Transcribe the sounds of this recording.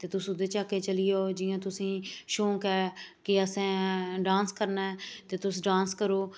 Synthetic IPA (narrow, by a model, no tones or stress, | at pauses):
t̪eːt̪ʊsʊd̪eːt͡ʃaːkːeːt͡ʃəlɪjoːd͡ʒɪjãːt̪ʊsĩːʃõːkɛːkɪəsɛ̃ːɖãːnskəɾnaːɛːt̪eːt̪ʊsɖãːnskəɾoː